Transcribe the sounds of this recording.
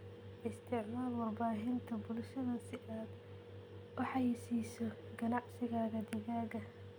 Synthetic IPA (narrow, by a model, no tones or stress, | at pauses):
ʔɪst̪ʰɪʕmaːlwɑrbaːɦɪnt̪ʰɐbʊlʃɐðɐsɪʔaːd̪ | wɑħɑjsiːsɔɡ̥ɐnɑʕsɪɣaːɣɐd̪ɪɣaːɣɐ